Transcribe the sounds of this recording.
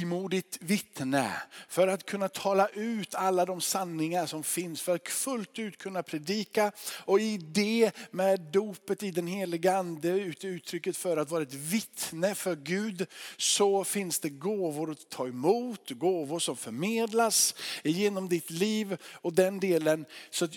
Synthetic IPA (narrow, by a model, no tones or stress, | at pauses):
muːd̪ɪt̪vɪt̪nə̰fœɾat̪kʰɵnːat̪ʰɑːlaʔʉ̟ːt̪alːad̪ɔmsanːɪŋaʂɔmfɪnsfœɾat̪fɵlt̪ʉ̟ːt̪kʰɵnːapʰɾɛd̪iːkaɔɪd̪ɛmɛd̪d̪uːpət̪ɪd̪ɛnɦeːlɪɡəand̪əʉ̟ːt̪ʉ̟ːt̪ʰɾʏkːət̪fœɾat̪vɑːɾaɛt̪vɪt̪nəfœɾɡʉ̟ːd̪sɔfɪnsd̪ɛɡoːvʊɾɔt̪ʰːɑːɛmuːt̪ɡoːvʊʂɔmfœɾmeːd̪lasɪjeːnɔmd̪ɪt̪liːvɔd̪ɛnd̪eːlənsɔat̪